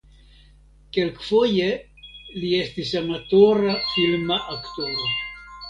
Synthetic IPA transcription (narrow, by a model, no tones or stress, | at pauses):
ke̞lkfo̞je̞ | lie̞stisanatoɾafilmaʔakt̪oɾo